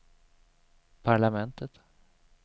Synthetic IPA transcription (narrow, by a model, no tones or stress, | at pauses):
pʰaɭamɛnt̪ət̪